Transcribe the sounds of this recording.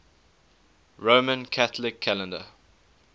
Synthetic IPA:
ɹomə̃nkʰætlɪkʰːælə̃ndə̰

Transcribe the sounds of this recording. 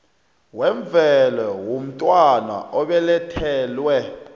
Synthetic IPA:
wɛɱb̪vʱɛlɛwom̩tʼwana̰ʔɔɓɛlɛtʰɛːlwɛ

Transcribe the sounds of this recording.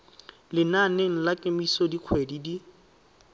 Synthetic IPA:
lɪnaneŋ̩lakʼemisɔdiq͡χʰwedidi

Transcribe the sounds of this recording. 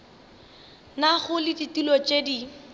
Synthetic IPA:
naɣʊlɪditilɔt͡ʃʼedi

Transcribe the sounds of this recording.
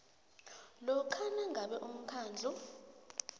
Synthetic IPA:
lɔkʰanaŋɡʱaɓɛʔum̩kʰaːnd͡ɮʱu

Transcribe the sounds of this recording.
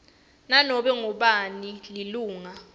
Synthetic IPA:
nanɔɓɛŋɔɓanililuːŋa

